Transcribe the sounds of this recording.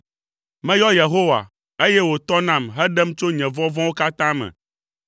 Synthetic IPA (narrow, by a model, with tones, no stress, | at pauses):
mɛ̃˦jɔ˦je˨ɦo˦wa̰˨ | e˦jɛ˦wo˨t̪ɔ˦nã˨mɦɛ˦ɖɛ˦m˦t͡ʃo˦ɲɛ̃˨vɔ̃˦vɔ̃˦wo˦ka˦t̪ã˦mɛ̰̃˨